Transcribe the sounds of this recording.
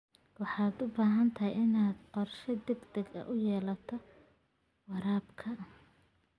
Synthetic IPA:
wɑħɑːd̪ʊbaːɦɐnt̪ʰɐɦɛjɪnaːd̪qɔrʃɐd̪ɛɡd̪ɛɡɐ̰ʔʊjɛːlɐt̪ʰɔ | wɑɾaːbkʰɐ

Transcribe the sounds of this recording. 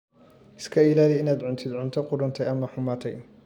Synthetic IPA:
ɪskʰɐɪlaːliɪnaːd̪ʕʊnt̪ʰɪd̪ʕʊnt̪ʰɐqʊɾʊnt̪ʰɛjɐmɐħʊmaːt̪ʰɛj

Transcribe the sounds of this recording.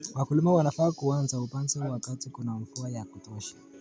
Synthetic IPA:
wakulimawanafaːkuanzaupanzɛwakatikunaɱ̩fuajakutɔʃḁ

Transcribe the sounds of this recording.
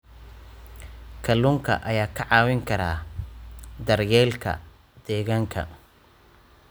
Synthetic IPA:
kʰɐluŋkʰɐ̰ʔɐjaːkʰɐʕɑːwɪŋkʰɐɾa̰ː | d̪ɐrjɛːlkʰɐ̰ | d̪ɛːɣaːŋkʰɐ̰

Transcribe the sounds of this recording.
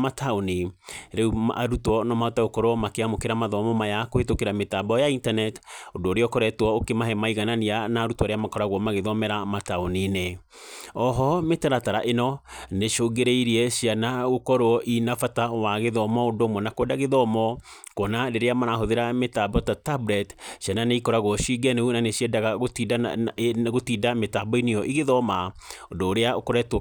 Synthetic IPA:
mataoniɾɛua̰ɾutwɔnɔmaotaɣokɔɾoɔmakeamokeɾamaðɔmɔmajakoetokeɾametabɔjaintanɛtodooɾeɔkɔɾɛtwɔokemaɦɛmaiɣananianaɾutwɔɾeamakɔɾaɣwɔmaɣeðɔmɛɾamataonine | ɔɦɔmetɛɾataɾaʔenɔneʃoɡeɾeiɾiɛɕianaɣokɔɾoɔʔinafatawaɣeðɔmɔodoːmɔnakwɛdaɣeðɔmɔ | kɔnadeɾeamanaɦoðeɾametabɔtatabɾɛtɕiananeikɔɾaɣwɔʃiɡɛnunaneɕɛdaɣaɣotida | ɣotiːdametabɔinejɔʔiɣeðɔmaodoːɾeaokɔɾɛtɔ

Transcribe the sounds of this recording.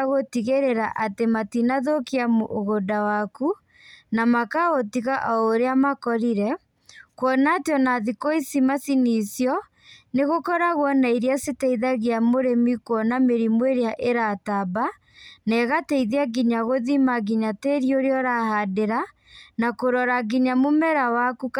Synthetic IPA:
aɣotiɣeɾeɾaʔatematinaðokiamoʔoɣodawaku | namakaɣotiɣaʔaoɾeamakɔɾiɾɛ | kwɔnatjɔnaðikoisimasinisjɔ | neɣokɔɾaɣwɔnaiɾjasetɛiðaɣeamoɾemikwɔnameɾimweɾeaʔeɾataba | nɛɣatɛiðeaɡiɲaɣoðimaɣiɲateɾioɾeɔɾahadeɾa | nakoɾɔɾaɡiɲamomɛɾawaku

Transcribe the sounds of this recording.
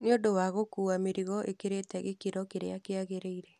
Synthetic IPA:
nɪodowaɣokuameɾiɣɔʔḛkeɾetɛɣekiɾɔkeɾḛakeaɣeɾeiɾe

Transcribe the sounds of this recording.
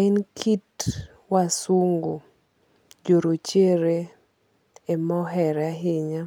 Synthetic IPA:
inkʰit | wasuŋɡo | d͡ʒoɾot͡ʃeɾe | emɔɦɛɾaɦɪɲa

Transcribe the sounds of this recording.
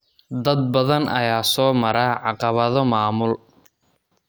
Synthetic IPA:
d̪ɐd̪̚bɐðɐnʔɐ̰jaːsɔːmɐɾaːʕɑqɑβɐðɔmaːmʊl

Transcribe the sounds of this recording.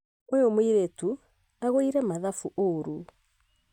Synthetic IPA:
eomwiɾetu | aɣoiɾɛmaðafuʔoɾu

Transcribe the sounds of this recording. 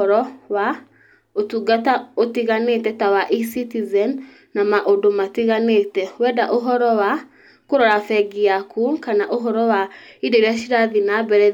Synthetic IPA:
ɔɾɔwa | otuɡataotiɣanetɛtawaʔisitizɛnː | amaʔodomatiɣanetɛwɛdaʔoɦɔɾɔwa | koɾɔɾafɛɡiakukanaʔoɦɔɾɔwaideɾaʃiɾaðinabɛɾɛ

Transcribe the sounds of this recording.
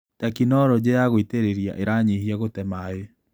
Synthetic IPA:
takinɔɾɔd͡ʑejaɣoiteɾeɾija̰ʔeɾaɲihiaɣotɛmae

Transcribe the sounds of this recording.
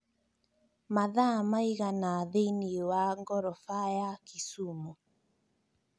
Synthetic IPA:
maðamaiɣanaːðeiniwaŋɡɔɾɔfajakisumɔ

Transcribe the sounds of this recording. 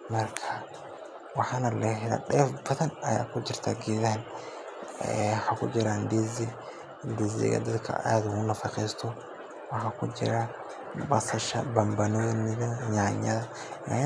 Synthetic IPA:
mɐrkʰɐ | wɑħɑːnɐlɛɦɪɾɐ̰ɗɛːfbɐðɐnɐja̰ːkʰʊt͡ʃɪrt̪ʰa̰ːɡɛːðɐɦɐn | wɑħɑːkʰʊ̰d͡ʒɪɾand̪izɪ | d̪ɪzɪ̰ɣɐ̰d̪ɐd̪kʰɐ̰ʔaːðʊɣʊnːɐfɑqɛjst̪ʰɔ | wɑħɑːkʰʊd͡ʒɪ̰ɾɐ | bɐsɐʃɐbɐmbɐnɔnɪβɐɲaʕɲɐðɐ | ɲa̰ː

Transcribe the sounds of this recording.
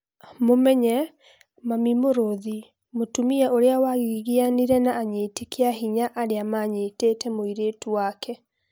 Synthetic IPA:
momɛɲɛ | mamimoɾoði | motumiɛʔoɾeawaɣiɣianiɾɛnaːɲeːtekeaɦiɲaʔaɾeamaɲeːteːtɛmoiɾetuwakʰɛ

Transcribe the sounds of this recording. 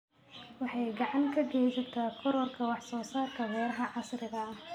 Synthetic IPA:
wɑħɑjɡɑʕɑŋkʰɐɡɛːt͡ʃɔt̪ʰaːkʰɔɾɔrkʰɐwɑħsɔːsaːt̪kʰɐwɛːɾɐɦɐʕɑsɾɪɣɐ

